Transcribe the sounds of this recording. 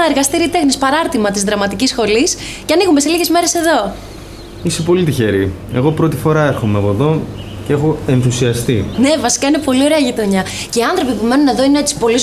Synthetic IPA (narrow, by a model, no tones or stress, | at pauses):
ɐeɾɣɐst̪iɾit̪e̞xnispɐɾɐɾt̪imɐt̪izðɾɐmɐt̪icisxo̞lis | ceɐniɣumese̞liʝe̞zme̞ɾe̞se̞ðo̞ | ise̞po̞lit̪içe̞ɾi | e̞ɣo̞pɾo̞t̪i̥fo̞ɾɐeɾxo̞meɐpo̞ðo̞ | ceexo̞e̞nθusiɐst̪ine̞vɐsi̥kɐine̞po̞lioɾe̞ɐʝit̪oɲɐ | ce̞iɐnθɾo̞pipume̞nune̞ðo̞ineet̪si̥po̞liz